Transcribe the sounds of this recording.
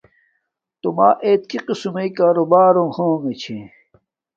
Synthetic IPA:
t̪umaːʔeːt̪̚kiqisumeikaːɾobaːɾõhoːŋet͡ɕʰẽ

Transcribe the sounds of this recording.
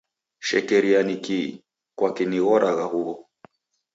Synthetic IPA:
ʃɛkɛɾianiki | kwakiniɣɔɾʔaɣahuɣɔ

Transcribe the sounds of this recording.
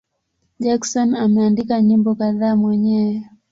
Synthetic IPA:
ʄaksɔnamɛandikaɲimbɔkaðaːmwɛɲɛwɛ

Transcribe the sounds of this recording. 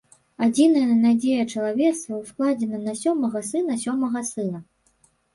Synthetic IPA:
ad͡zʲinɐjɐnad͡zʲejɐt͡ʂɐlˠavʲɛt̪st̪vɐwsklˠad͡zʲɛnɐnɐsʲɔmɐɣɐsɨn̪ɐsʲɔmɐɣɐsɨnɐ

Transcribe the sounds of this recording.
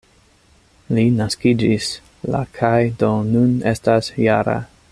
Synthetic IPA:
linaskid͡ʒis | la̰kʰajdo̞nune̞stasjaɾa̰

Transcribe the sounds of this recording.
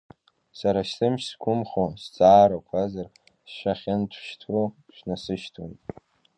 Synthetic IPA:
saɾaʃtɨmʃsɡʷʰʊmχost͡sʼaːɾakʷʰazar | sʃʷᶣaχʲɪntʷʰʃtʰro | ʃʷᶣnasɨʃtʰo̰ntʼ

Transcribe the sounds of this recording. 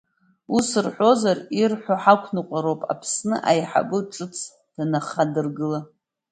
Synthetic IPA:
usɨrħʷo̞zarirħʷaħakʷʰnɨqʷʼaɾo̞pʼa̰pʰsnɨʔajħa̰bɨʈ͡ʂʼɨt͡sʰ | d̥anaχadɨrɡɨla

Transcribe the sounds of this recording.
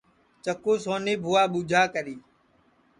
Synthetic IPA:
t͡ʃəkuːsoːniːbʱuːaːɓuːd͡ʒʱaːkəɾiː

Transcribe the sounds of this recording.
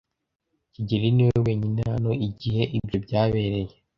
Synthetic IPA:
ciɟeɾiniweweːɲinhano̞iɟihe̞ʔibjobɟaːβe̞ːɾe̞je

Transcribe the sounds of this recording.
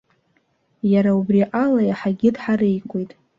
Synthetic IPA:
jaɾaubriʔalajaħaɡʲɪdħaɾejkʷʰʼejtʼ

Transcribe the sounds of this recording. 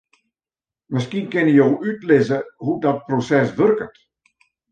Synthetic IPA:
məskinkɪnəjowʔytlɪzəhudɔt̚prosɛsʋørkət

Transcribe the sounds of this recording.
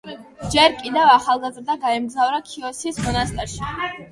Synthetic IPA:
d͡ʒɛɾkʼid̪ɛvaχalˠɡazɾd̪aɡaɛmɡzavɾakʰiɔsismɔnast̪ʼɛɾʃi

